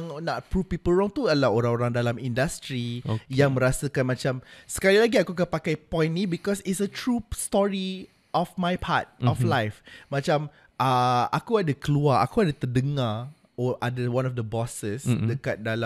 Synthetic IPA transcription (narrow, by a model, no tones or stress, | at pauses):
ŋnaʔpɾupipəlɹɔŋt̪ualahoɾãŋoɾaŋdalamĩndast̪ɾijaŋmə̃ɾasəkanmat͡ʃamsə̥kalilaɡiakuakapakajpɔ̃jnːĩbikɔsitsət̪ɹustɔɹi | ʔɔfmajpʰa̰t̚ɔflajfmãt͡ʃam | ʔaakuadakəluaa̰kuadat̪ərdəŋa | ɔʔadəwãnɔfd̪əbɔsəsdəkat̪̚dala